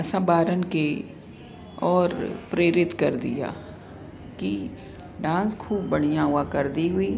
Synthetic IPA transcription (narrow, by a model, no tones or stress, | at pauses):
ɐsãbaːɾənke | ɔːɾpɾeːɾɪt̪kɐɾd̪ɪ̰ja̰ː | ki | ɖãːskʰuːbːɐɽ̤̃ijãɦʊakɐɾd̪iɦʊiː